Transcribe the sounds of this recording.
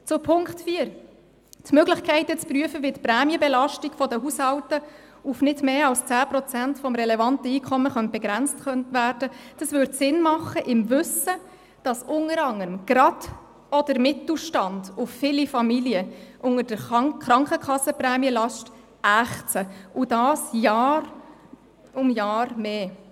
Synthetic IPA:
t͡sʊpʰʊŋktfiːəɾ | tmøɡlɪχkʰɛɪtət͡spryəfəʋitpɾæːmijəbɛlɑʃtiɡ̥fɔdəhushɑwtə | ufnɪdmeːɑlst͡sæːpɾɔt͡sæntfɔmɾɛlɛvɑntəiːkʰɔmːəχœnt̚b̥ɛɡ̥ɾænt͡stχœntʋæːɾdəd̥ɑsʋʏɾtsɪnmɑχːəʔɪmvʏsə | d̥ɑsʊŋəɾɑŋːəɾmɡ̥ɾɑd̥ | ɔd̥əɾmɪtl̩ʃtɑnd̥ʊffɪlifɑmiliəʔʊŋəɾd̥əɾχɾɑŋkχəkʰχɑsːəprɛːmjəlɑʃt | ʔæχt͡səudɑːsjɑːr | ʊmjɑːɾmeː

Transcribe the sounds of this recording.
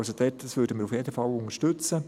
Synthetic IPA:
sod̥̪ɛtd̥ɑsʋøːɾdəmɪːɾufjedəfɑlʊŋəʃtʏt͡sə

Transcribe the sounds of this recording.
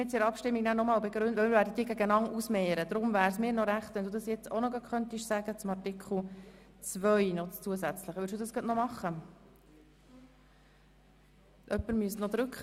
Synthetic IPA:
ɛt͡siɾɑpʃtɪmːiɡ̚næːnɔmɑːlbeɡɾʉntʋœlmɪɾvæːɾdəd̥̪iːɡæɡənɑŋusmɛːɾəd̪ɾʊmvæːɾsmɪːɾnɔɾæχt̪ʋɛnd̪ud̪ɑsjɛt͡sonɔɡɑχœnt̪iʃsæɡ̥ət͡sʊmɑrtɪkʰχl̩ˠ | t͡svœʏnɔtt͡suəsæt͡sləχʋʏls̬d̥uːd̥̪ɑsɡ̥ɑtnɔmɑχːə | ʔœpːəɾmyəstnɔd̪ɾʉkχ

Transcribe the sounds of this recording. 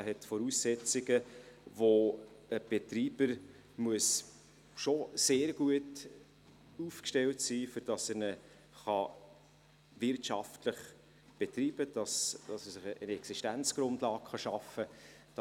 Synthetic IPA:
hɛtfɔɾuːsːɛt͡sɪɡəvoəb̥etɾiːb̥əɾ | muəs | ʃoseːɾɡ̥uət | uːfkʃtɛltsiːfʏɾd̥ɑsənə | χɑ | vɪɾtʃɑftləχ | b̥etɾiːb̥əd̥ɑsd̥ɑsəsɪχəənɛksiʃtænt͡sɡ̥ɾʊndlɑːkχɑʃɑfə | d̥

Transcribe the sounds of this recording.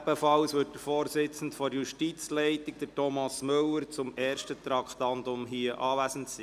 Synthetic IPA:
b̥əfɑlsʋʏt̚təɾfoːɾsɪt͡sn̩tfɔɾjuʃtit͡slɛɪt̪ik̚d̥̪əɾtɔmɑsmɵləɾt͡sʊmɛːɾʃtət̪ɾɑkχtɑnd̪ʊmɦiəʔɑːvæsəntsiː

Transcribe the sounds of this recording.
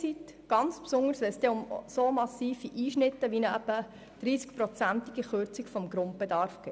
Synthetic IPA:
t͡sit̪ɡ̥ɑnt͡spsʊŋəɾsʋɛlsd̥̪ɛʊmsomɑsiːfiʔiːʃnɪt̪ːəʋinəɛpːə | d̥ɾiːskpɾɔt͡sænt̪iɡiχøɾt͡sikfɔmɡɾʊnt̪̚b̥ed̪ɑɾfɡ̥eː

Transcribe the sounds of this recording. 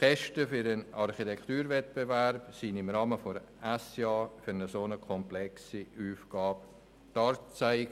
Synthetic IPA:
kɛʃtəfyɾənɑrχitɛkt̪uːɾvɛt̪̚bevɛɾpsindɪmɾɑːməfoɾ | æsjɑːfyɾnəsonəkʰɔmplɛksiuːfɡ̥ɑːp̚ | tɑɾt͡saɪɡ

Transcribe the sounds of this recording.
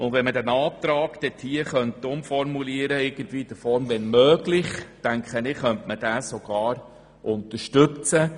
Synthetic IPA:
ʊndʋɛnmədænɑːt̪ɾɑːɡd̥ɛt̪ʰiːəχœntːʊmfɔɾmuliəɾəɪɡ̥əntʋiːd̥̪əfɔɾmʋɛnmøːɡlɪχtæŋkχənɪχœntməd̥æːsɔɡ̥ɑːɾ | ʔʊnt̪əɾʃtɵt͡sə

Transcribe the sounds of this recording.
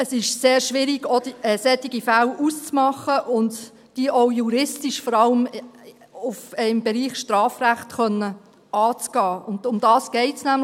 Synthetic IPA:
əsɪʃseːɾʃʋɪɾiɡ̥od̥iɛsɛt̪iɡifælʔust͡smɑχəʔʊnd | d̥iːʔoʊjuɾɪstiʃfɔɾɑləm | ʊfɪmbɛɾiːχʃtɾɑːfræχtχœnːə | ʔɑːt͡sɡ̥ɑːʊndʊmd̥ɑːsɡ̥ɛɪtsnæm

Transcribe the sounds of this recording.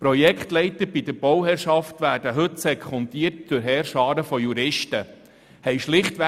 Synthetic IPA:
pɾɔjɛkχtlɛɪtəɾb̥idəɾb̥ɔwhɛɾʃɑftʋæːɾd̥əɦɵtsɛkʰχɔnt̪iːərtd̥ɵɾɦɛːɾʃɑːɾəfɔjuɾɪʃtə | hɛɪʃlɪχtʋɛ

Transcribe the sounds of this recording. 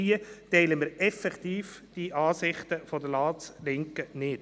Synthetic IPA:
iətɛɪləmɪɾɛfɛkt̪iːfd̥iʔɑːsɪχt̪əfodəlɑːslɪŋkənɪt

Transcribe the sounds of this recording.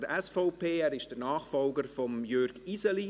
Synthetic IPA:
dəʔɛsfɔʊpʰeːæːɾɪʃd̥ənaːχfɔlɡəɾfɔmjøɾɡ̥isɛli

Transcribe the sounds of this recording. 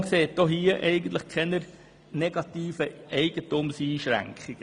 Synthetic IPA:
kseːt̚d̥ɔhiːəʔɛɪɡən̩t̪ləχkʰɛnəɾ | nɛɡɑtiːfəʔɛɪɡ̥ətumsiːʃɾæ̰ŋkχiɡ̥ə

